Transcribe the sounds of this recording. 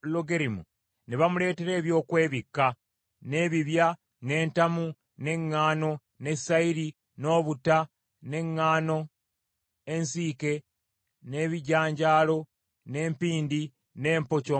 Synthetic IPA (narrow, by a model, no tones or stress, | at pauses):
lːoɡeɾimṵ | neβamule̞ːte̞ɾe̞ːβjo̞ːkwe̞ːβikːa | ne̞βiβja | ne̞ːntamu | ne̞ŋːaːno̞ | ne̞saiɾi | no̞ːβuta | ne̞ŋːaːno̞ | ensiːke̞ | ne̞βiɟaːɲɟaːlo̞ | ne̞ːmpiːndi | ne̞ːmpo̞co